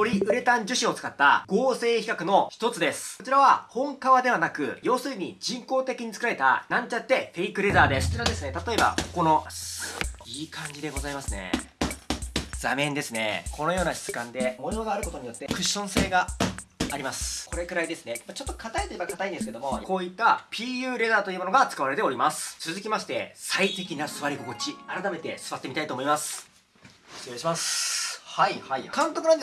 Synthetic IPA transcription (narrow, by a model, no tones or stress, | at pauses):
to̞ɾʲiɯ̟ɾe̞t̪ãɲ̟d͡ʑɨɕio̞t͡sɨ̥kat̪ːa̰ɡ̥o̞ːse̞ːçi̥kakɯ̟no̞çi̥t̪o̞t͡sɨd̪e̞sɨ̥ot͡ɕiɾaβ̞ahõ̞ŋkaβad̪e̞β̞anakɯ̟̰jo̞ːsɨiɲ̟id͡ʑĩŋko̞ːt̪e̞kʲiɲ̟it͡sɨ̥kɯɾaɾet̪a̰nãɲ̟t͡ɕat̪ːe̞ɸe̞ikɯ̟ɾe̞zaːd̪e̞st͡ɕɾad̪e̞sɨne̞t̪at̪o̞e̞ba̰ko̞̥ko̞no̞ | iːkʰãɲ̟d͡ʑid̪e̞ɡo̞zaimasɨne̞̰ | d͡zamẽnd̪e̞sɨne̞̰kʰo̞no̞jo̞ːnaɕi̥t͡sɨ̥kãnd̪e̞mojoɡaːɾɯ̟ko̞t̪o̞ɲ̟ijo̞t̪ːe̞kɯ̟ɕːõ̞ɰ̃se̞ːɡaː | ɾʲimasɨ̥kʰo̞ɾe̞kɯ̟ɾaid̪e̞sɨne̞mat͡ɕo̞t̪ːo̞kʰat̪aet̪oebakat̪aĩnd̪esɨ̥ked̪omo̞ko̞ːit̪ːapʲiːjɯ̟ːɾe̞zaːt̪o̞iɯːmo̞no̞ɡat͡sɨ̥kaβaɾe̞t̪e̞o̞ɾʲimasɨ̥t͡sɨzɨkʲimaɕi̥t̪e̞sait̪e̞kʲinasɨβaɾʲiɡo̞kot͡ɕiaɾat̪ame̞t̪e̞sɨβat̪ːemʲit̪ait̪oːmo̞imasɨ̥ | eɕmashaikãŋk̪okɯand